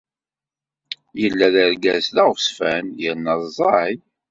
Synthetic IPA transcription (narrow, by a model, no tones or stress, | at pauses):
jəlːæðəɾɡæslæʁsfænjəɾnəzzˤɑ